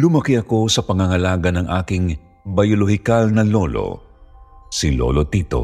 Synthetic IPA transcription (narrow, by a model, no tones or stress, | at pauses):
lʊmɐkiɐko̞sɐpɐŋɐŋɐlaːɡɐnɐŋʔa̰ːkɪŋ | bɐjoloɦɪkalnɐlolo̰ | silo̰lot̪it̪o̰